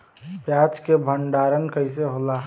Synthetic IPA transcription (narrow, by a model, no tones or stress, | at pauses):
pjaːt͡ʃkebʱəɳɖaːɾənkəɪs̬eɦoːla